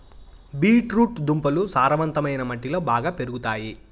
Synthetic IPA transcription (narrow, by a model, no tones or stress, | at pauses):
biːʈɾuːʈd̪umpɐlusaːɾɐʋɐnt̪ɐmɐjnɐmɐʈːilo̞ːbaːɡaːpe̞ɾuɡut̪aːji